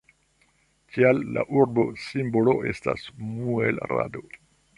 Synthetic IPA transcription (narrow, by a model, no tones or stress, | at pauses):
kʰialːa̰ʔuɾbo̞simbolo̞ʔe̞sta̰smuelɾa̰do̞